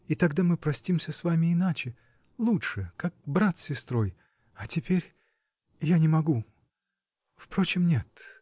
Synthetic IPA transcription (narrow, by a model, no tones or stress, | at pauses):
ɪt̪ɐɡd̪amɨpɾɐsʲtʲimsʲəsvamʲɪɪnat͡ɕɪ | lˠuʂɨkak̚bɾat̪sʲɪst̪ɾo̞j | ɐtʲɪpʲeɾʲ | janʲɪmɐɡu | fpɾo̞t͡ɕɪmnʲe̞t̪